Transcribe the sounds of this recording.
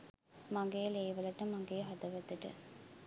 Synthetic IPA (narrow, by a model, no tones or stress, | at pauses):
maŋɡejɐleːʋɐlɐʈɐmaŋɡejɦɐd̪ɐʋɐt̪ːɐʈɐ̰